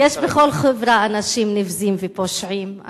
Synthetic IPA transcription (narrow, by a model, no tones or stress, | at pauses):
jeʃbeχolχevɾaanaʃimnifzimvepoʃʕima̰